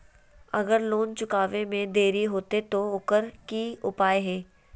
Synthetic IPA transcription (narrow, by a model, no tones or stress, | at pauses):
ɐɡəɾloːnt͡ʃʊkaːʋẽmẽd̪eːɾiɦoːt̪et̪oʊkəɾkiʊpaːjɦɛː